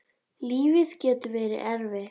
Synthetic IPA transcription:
liːvɪscɛːt̪ʏvɛːɾɪ̰ʔɛɾvɛ

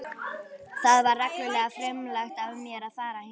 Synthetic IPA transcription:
θaðvaɾːɛknʏlɛːɣafɾɛmlaxt̪avʏmːjɛɾaðfaːɾahɪ

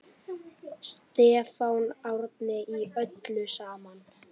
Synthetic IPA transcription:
st̪ɛːfawnawɾt̪nɪiœt̪lʏsaːman

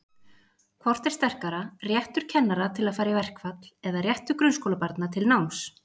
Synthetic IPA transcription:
kʰvɔr̥t̪ɛ̥st̪ɛr̥kaɾarjɛht̪ʏɾ̥cʰɛnːaɾat̪ʰɪlaðfaːjɾavɛr̥kfat̪lɛðarjɛht̪ʏɾkɾʏnskowlapaɾt̪nat̪ʰɪlnawms

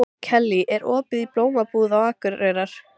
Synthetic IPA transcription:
cʰɛlːiʔɛɾɔːpɪðiploːwmapuːðawaːkʏɾeːjɾaɾ̥

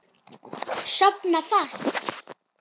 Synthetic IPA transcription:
ʃɔpnafas

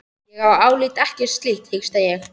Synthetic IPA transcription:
jɛɣawaːwliːt̪ɛhcɪ̥st̪liht̪hɪkst̪ajɛx

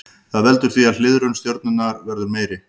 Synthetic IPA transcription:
θaðvɛlt̪ʏɾ̥θviaðl̥ɪðɾʏnst̪jowɾt̪nʏnaɾvɛɾðʏɾmeːjɾɪ

